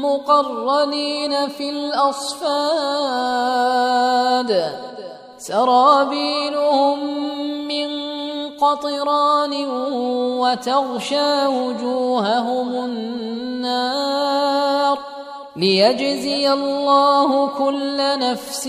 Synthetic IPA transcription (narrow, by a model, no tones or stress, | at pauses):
mʊqɑrˤːɑliːnafilʔɑsˤfaː | d̪ | sɑɾˤɑːbiːlʊhʊmː | ɪnqɑt̪ˤɨɾˤɑːnɪ | wat̪ɑɣʃaːwʊd͡ʒuːhaɦʊmʊnnːaː | ɾ | lɪjad͡ʒzɪjalːɑːhʊkʊlːanafs